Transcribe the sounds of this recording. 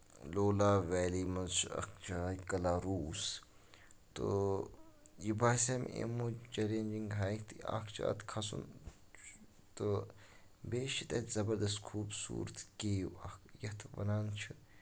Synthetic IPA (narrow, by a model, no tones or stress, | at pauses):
loːlaːʋɛːliːmɐnzt͡ʃʰɐ̰k̚t͡ʃaːjkɐlaːɾuːs | t̪ɨ̰ | jibaːsemḛmut͡ʃɐɾeːnd͡ʒiŋɡɦaːkt̪ia̰ːkʰt͡ʃʰa̰ːt̪kʰɐsṵn | t̪ɨ | beːʃit̪ɐt̪ʲzɐbɐɾd̪ɐs̬t̪kʰuːbsṵːɾt̪keːwakjɐht̪ʰʋɐ̰naːnt͡ʃʰɨ